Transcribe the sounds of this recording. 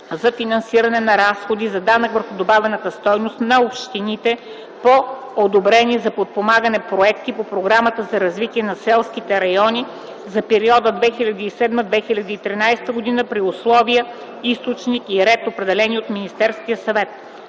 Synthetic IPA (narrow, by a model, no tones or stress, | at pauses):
zɐfinɐnsiɾɐnɛnɐɾasxod̪izɐd̪anəkvəɾxʊd̪obavɛnət̪əst̪ɔjnost̪nɐopʃt̪init̪ɛ | po | od̪obɾɛnʲiɛzɐpot̪̚pomaɡənɛpɾoɛk̚t̪ipopɾoɡɾamət̪əzɐɾɐzvit̪iɛnɐsɛlˠsk̟it̪ɛɾɐjɔnʲi | zɐpɛɾiɔd̪əd̪vɛxilʲɐd̪iːsɛd̪məd̪vɛxilʲɐd̪iit̪ɾinajsɛ̥t̪əɡod̪inəpɾiʊslˠɔviə | ist̪ot͡ʃnikiɾɛt̪opɾɛd̪ɛlɛniot̪minist̪ɛɾsk̟ijəsɐvɛt̪̚